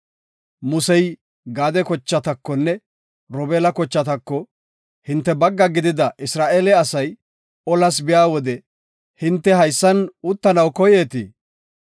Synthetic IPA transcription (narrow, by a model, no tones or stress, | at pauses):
mʊsɛj | ɡaːd̪ɛkɔt͡ʃːɐt̪ɐkːɔnːɛ | ɾɔbeːlɐkɔt͡ʃːɐt̪ɐkːɔ | hɪnt̪ːɛbɐɡːɐɡɪd̪ɪd̪ɐʔɪsɾaːʔeːlɛɐsɐj | ɔlɐs̬bɪjaːwɔd̪ɛ | hɪnt̪ːɛɦɐjsːɐnʊt̪ːɐnɐwkɔjeːt̪ḭː